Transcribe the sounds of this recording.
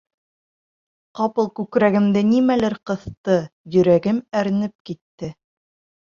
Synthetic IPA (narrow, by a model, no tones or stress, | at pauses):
qɑpɤlˠkʉkɾæɡɘ̆md̪ɘnimælɘɾqɤ̆θt̪ɤjɵ̆ɾæɡɘmæɾnɘp̚kit̪ːɘ